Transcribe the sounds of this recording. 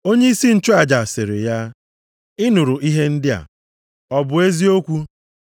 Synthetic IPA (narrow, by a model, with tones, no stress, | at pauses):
o˦ɲe˦i˦si˦n̩˦t͡ʃʊ˦a˨d͡ʒa˨se˨ɾe˨ja˦ | ɪ˦nʊ˨ɾʊ˨ʔi˦ɦe˦n̩˦dɪ˦a̰˨ | ɔ˨bʊ˨e˦zi˦o˦kʷu˦